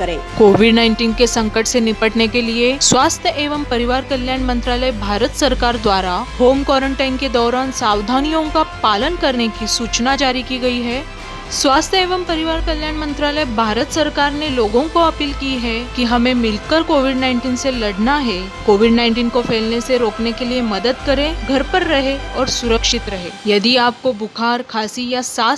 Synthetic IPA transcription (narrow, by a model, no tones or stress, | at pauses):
ẽːkoːʋɪɖnãːɪ̃ɳʈiːnkesɐ̃ŋkəʈsenɪpəʈnekelieswaːst̪ʰjəʔeːʋəmpɐɾɪʋaːɾkɐljaːnmɐ̃nt̪ɾaːləjbʱaːɾət̪sɐɾkaːɾd̪waːɾaɦoːmkɔːɾə̃ɳʈaːɪnked̪ɔːɾaːnsaːʋd̪ʱaːnijõkapaːlənkɐɾnekisuːt͡ʃnad͡ʒaːɾikiɡɐiɦɛː | swaːst̪ʰəeːʋəmpɐɾɪʋaːɾkɐljaːnmɐ̃nt̪ɾaːləjbʱaːɾət̪sɐɾkaːɾneloːɡõkoɐpiːlkiɦɛkiɦɐmẽmɪlkəɾkoːʋɪɖnãːɪ̃ɳʈiːnselɐɽnaɦɛ | koːʋɪɖnãɪɳʈiːnkofʰeːlneseɾoːknekeliemɐd̪əd̪kɐɾẽɡʱɐɾpɐɾːɐɦeɔːɾsʊɾəkʃɪt̪ɾɐɦeːjɐd̪iaːp̚kobʊkʰaːɾkʰaːsijasaː